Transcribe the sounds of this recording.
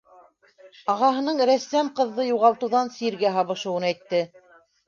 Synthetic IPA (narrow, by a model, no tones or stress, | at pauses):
ɑʁɑɦɤ̆nɤɴɾæsːæmqɤ̆ðːɤjuʁɑlˠt̪ɤ̆wðɑnsiɾɡæɦɑβɤ̆ʃɤ̆wɤnæjt̪ːɘ